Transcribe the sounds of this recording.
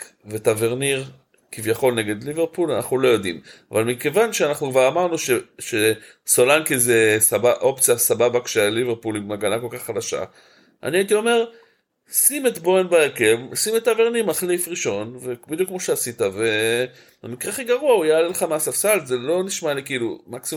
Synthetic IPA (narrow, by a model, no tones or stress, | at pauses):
vetaveʁniʁ | kivjaχo̞lneɡe̞d̪liveʁpulana̰χnulo̞jo̞dḭmavalmike̞vanʃeanaχnukvaʁamaʁnuʃeʃe | so̞lankizesabaʔo̞pt͡sjasababakʃeliveʁpulimmaɡanako̞lkaχːad̪aʃa̰ | ʔa̰niait̪̬io̞me̞ʁ | simet̪bo̞enbaakevsimet̪aveʁniʁmaχlifʁiʃo̞nvekbid̪jukːmo̞ʃeasitave̞ | bemikʁeaχiɡaʁuaujaːlelχameasafsalt̪ze̞lo̞niʃmalikiiːlumaksi